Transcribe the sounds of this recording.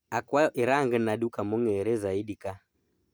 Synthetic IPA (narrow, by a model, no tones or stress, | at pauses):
akwaʔiɾaŋɡənaɗukamɔŋɛːɾɛzaiɗika